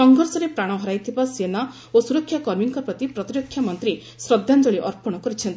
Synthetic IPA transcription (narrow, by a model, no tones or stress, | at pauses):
sɔŋɡʱɔɾsɔɾepɾaɽ̃ɔɦɔɾajt̪ʰibasena | osuɾɔkʰːjakɔɾmiŋkɔpɾɔt̪ipɾɔt̪iɾɔkʰjamɔnt̪ɾi | sɾɔd̪ːand͡ʒɔɭiʔɔɾpɔɽ̃ɔkɔɾit͡ʃʰɔnt̪i̥